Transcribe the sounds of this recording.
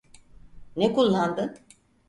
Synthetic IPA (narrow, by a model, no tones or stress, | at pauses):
nekulˠːand̪ɯ